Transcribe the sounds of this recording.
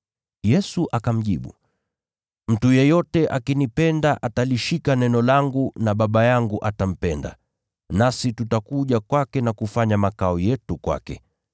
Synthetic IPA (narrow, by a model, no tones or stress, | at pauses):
jɛsuʔakam̩ʄiɓṵ | m̩tujɛjɔtɛʔakinipɛndaʔataliʃikanɛnɔlaŋɡunaɓaɓajaŋɡuʔatam̩pɛnda̰ | nasitutakuʄakwakɛnakufaɲamakaɔjɛtukwa̰kɛ̰